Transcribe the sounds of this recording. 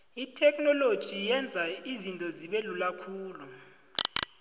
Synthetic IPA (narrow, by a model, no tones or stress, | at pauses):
itʰɛkʼnɔlod̥ʒ̥ʱijɛnd͡zʱaizintʼɔziɓelulakʰuːlu